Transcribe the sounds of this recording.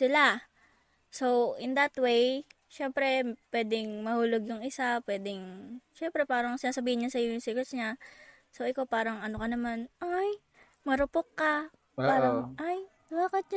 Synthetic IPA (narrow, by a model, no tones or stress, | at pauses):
sɪla | so̞wʔɪnd̪ɐt̪wej | ʃɛmpɾɛpwɛːd̪ɪŋmɐhuːloɡjʊŋɪsapwɛːd̪ɪŋʃɛmpɾɛpaːɾɐŋsɪnaːsɐbiːhɪnɲɐsɐjojʊŋsiɡɛsɲa | soʔɪkopaːɾɐŋɐnokɐnɐmanʔaj | mɐɾʊpokːɐ | paːɾɐʔaj | waːkɐt̪̚ɲ